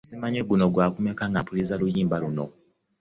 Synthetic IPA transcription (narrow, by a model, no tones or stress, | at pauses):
simaɲeɡuno̞ɡwaːkume̞kaŋɡapulizalujiːmbaluno̰